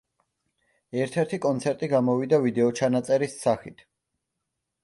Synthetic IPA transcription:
ɛɾt̪ʰɛɾt̪ʰikʼɔnt̪sʰɛɾt̪ʼiɡamɔvid̪avid̪ɛɔt͡ʃʰanat̪sʼɛɾisːaχit̪ʰ

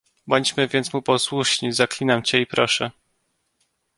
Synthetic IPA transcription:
bɔɲt͡ɕmɘvʲjɛnt̪smupɔswuʂɲizaklʲinamt͡ɕɛipɾɔʂɛ

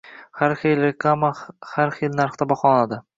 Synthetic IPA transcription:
haɾχejlekamahaɾχelnaɾχt̪abɒχɒnad̪ɪ

